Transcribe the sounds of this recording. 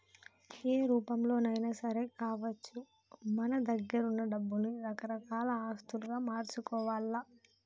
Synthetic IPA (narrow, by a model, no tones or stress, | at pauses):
eːɾuːpɐmlo̞ːnɐjnaːsɐɾeːkaːʋɐt͡ʃːu | mɐnɐd̪ɐɡːɐɾunːɐɖɐbːulniɾɐkɐɾɐkaːlɐaːst̪uluɡaːmaːɾt͡ʃukɔːʋaːlːɐ